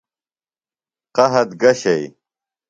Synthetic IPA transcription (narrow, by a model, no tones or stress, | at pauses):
qɐɦɐt̪ɡɐɕɐj